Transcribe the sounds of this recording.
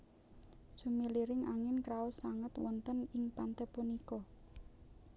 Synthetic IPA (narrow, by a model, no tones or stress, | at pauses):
sumiliɾɪŋʔa̰ŋɪnkɾaosaŋət̪wɔnt̪ənɪŋpant̪ɛpunikɔ